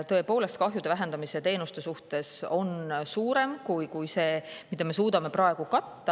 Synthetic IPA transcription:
t̪ɤ̞e̞po̞ːle̞st̪̚kɑɦjud̪̥e̞væɦe̞nd̪ɑmise̞t̪e̞ːnust̪e̞suht̪e̞so̞nsuːɾe̞mkujkujse̞ːmid̪ɑme̞suːd̪̥ɑme̞prɑe̞ɡ̥ukɑt̪ːɑ

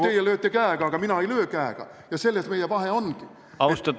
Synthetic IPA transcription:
eijæløøt̪ːekæːkɑːkɑminæɑiløøkæːkɑ̰ | jɑselːæst̪meijæʋɑheonki | ɑust̪ɑt

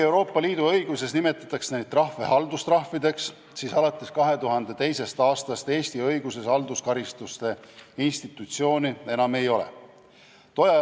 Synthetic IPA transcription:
e̞wɾo̞ːpˑːɑliːd̪̥uɤjɡ̥use̞snime̞t̪ːˑɑt̪ːˑɑksnejd̪̥̚t̪ːrɑhve̞ɦɑld̪ust̪rɑhvid̪e̞ks | siːsɑlɑt̪ˑːe̞skɑɦe̞t̪uɦɑnd̪̥e̞t̪e̞jse̞st̪ɑːst̪ɑst̪e̞ːst̪iɤjɡuse̞sɑld̪uskɑɾist̪ust̪e̞inst̪it̪ːˑut̪sio̞ːnie̞nɑme̞jo̞lḛ | t̪o̞jɑ

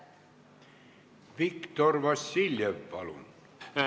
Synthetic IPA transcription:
ʋikt̪orʋɑsːilʲjeʋːɑ̰lṵn

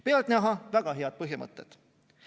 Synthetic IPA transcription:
peɑlt̪næɦɑvæɡ̥ɑɦeɑd̪̚pɤɦjimʔɤ̰t̪ːˑet̪

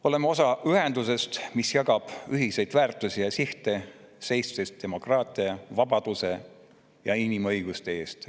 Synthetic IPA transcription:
o̞le̞meo̞sɑʔyɦe̞nd̪use̞st̪misjɑɡɑb̥yɦise̞jd̪̥væːrt̪ːˑusijɑsiht̪e̞se̞jssest̪d̥̪e̞mo̞krɑːt̪ˑiɑvɑbɑd̪̥use̞ | jɑinimɤjɡ̥ust̪ee̞ːst̪

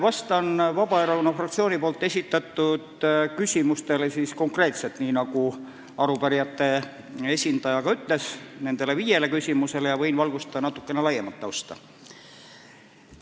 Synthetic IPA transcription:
vɑst̪ɑnvɑb̥ɑeɾɑlunɑfrɑk̚t̪sio̞ːnipo̞ːlt̪ːˑe̞sʲit̪ːˑɑt̪ːˑud̪kysʲimust̪e̞le̞sisko̞ŋkre̞ːt̪se̞lt̪niːnɑku | ɑɾupæɾijɑt̪ːe̞ | e̞sʲind̪ɑjɑkɑyt̪ːˑle̞sne̞nd̪̥e̞le̞viːje̞le̞kysʲimuse̞lejɑvɤ̞jnvɑlɡ̥ust̪ɑɑnɑt̪ːˑu̥kːe̞nelɑjemɑt̪ːɑwst̪ɑ

